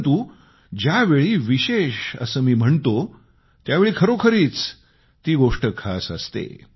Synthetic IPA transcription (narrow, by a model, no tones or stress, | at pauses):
t̪uː | d͡ʑjaʋeɭiːʋiɕeɕə̰səːmiːm̤əɳt̪o | t̪jaʋeɭiːkʰəɾokʰəɾiːt͡s | t̪iːɡoʂʈəkʰa̰səst̪ḛ